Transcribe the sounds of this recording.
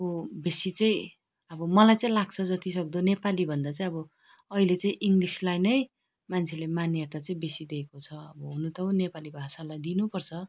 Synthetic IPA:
obesit͡sʌĩ | ʌbʌmʌlajt͡saĩlaɡ̚t͡sʰʌd͡zʌt̪isʌk̚d̪onepalibʱʌnd̪at͡sãĩʌbʌ | ʌɦilet͡saĩʔiŋɡlislajnʌj | mant͡sʰelemanet̪at͡saĩbesid̪ekot͡sʰʌʌbʌɦunut̪ʌonepalibʱasalajd̪inupʌrt͡sʰʌ

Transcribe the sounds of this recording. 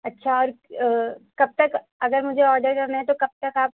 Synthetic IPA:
ɐtːʃʰaɔːɾ | kɐb̚t̪ɐk | ɐɡəɾmʊd͡ʒʱeɔːɾɖəɾkɐɾnaɦɛ̃t̪okɐb̚t̪ɐkaːp̚

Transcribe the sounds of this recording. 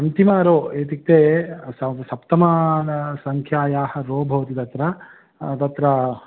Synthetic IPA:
ɐnt̪imaːɾoːeːt̪ik̚t̪eːsɐsɐpt̪ɐmaːnɐsɐŋkʰjaːjaːhɐ̆ɾoːbʱɐʋɐt̪it̪ɐt̪ɾɐ | t̪ɐt̪ɾɐ

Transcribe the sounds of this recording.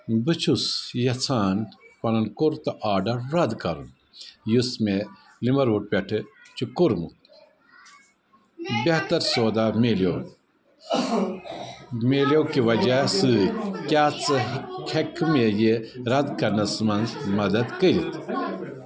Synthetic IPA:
bɨt͡ʃʰusjɐt͡sʰaːnpɐlɐnkuɾt̪ɐʔaːɖɐɾɾɐd̪kɐɾṵn | jusme | limɐɾuːʈ̚pʲeʈʰɨt͡ʃʰukuɾmṵt̪ | bʲeht̪ɐɾsoːd̪ameːljoː | meːlowkiʋɐd͡ʒasɨkʲaːt͡sɨkʰekʰmejeɾɐd̪kɐɾnɐsmɐnzmɐd̪ɐd̪kəɾit̪ʰ

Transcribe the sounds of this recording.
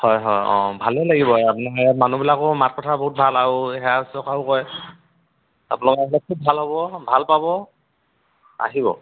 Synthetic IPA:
hɔjɦɔjɔ̰̃bʱalɛlaɡibɔapnamanubilakɔmat̚kɔtʰaboɦut̚bʱalaɹuɦɛasɔkʰaʊkɔj | a̰punlɔkɔɛbɔlɛkʰubʱalɦobɔbʱalpabɔ | a̰ɦibɔ̰

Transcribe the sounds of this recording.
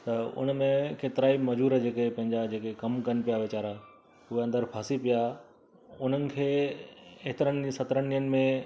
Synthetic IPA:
t̪ɐʊ̰n̆mẽkeːt̪ɪɾaːimɐd͡ʑuːɾad͡ʑeːkepɐ̃ɦɪ̃ɲd͡ʑad͡ʑeːkekɐmkɐnɪ̆pijaʋɪt͡ɕaːɾaɦ | ʊɦeɐ̃nd̪əɾpʰaːsipija | ʊn̤ənɪ̆kʰeː | eɦt̪ɪɾənsɐt̪ɾənijənɪ̆mẽ

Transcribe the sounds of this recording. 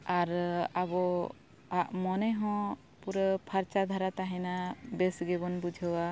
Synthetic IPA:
aɾabɔ | aʔmɔnɛɦɔ̃ | puɾəpʰaɾt͡ʃad̪ʱaɾat̪aɦɛnabɛsɡɛbɔnbud͡ʒʱəwa

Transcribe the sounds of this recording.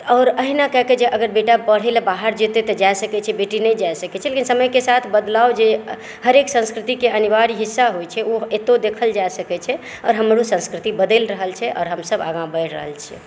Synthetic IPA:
ɔːɾəɦinakɛɦked͡ʒeʔəɡəɾbeʈabəɽ̤elbaɦəɾd͡ʒet̪et̪ɔd͡ʒaesəkɛt͡ʃʰɛbeʈinɛjd͡ʒaesəkɛt͡ʃʰɛlekinsəməjkesat̪ʰbəd̪laod͡ʒe | həɾeksə̃nskɾit̪ikeənibaɾiɦisːaɦojt͡ʃʰɛoet̪od̪ekʰəld͡ʒasəkɛt͡ʃʰɛ | ɔ̰ːɾɦəmɾusə̃nskɾit̪ibəd̪elɾəɦəlt͡ʃʰɛʔɔ̰ːɾɦəmsəba̰ɡãbəɾɾə̰ɦə̰lt͡ʃʰɛ̰

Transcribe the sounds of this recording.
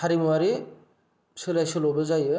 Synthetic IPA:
aɾimuwaɾi | sɯlajsɯlɔbazajɯ

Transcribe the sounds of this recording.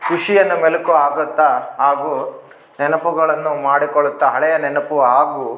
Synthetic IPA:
kuʂijɐnːɐmelukuaːɡɐt̪ːɐɦaːɡuː | nɛnɐpuɡɐɭɐnːumaːɽikɔɭːut̪ːɐɦɐɭɛjɐnɛnɐpuʋɐɦaːɡuː

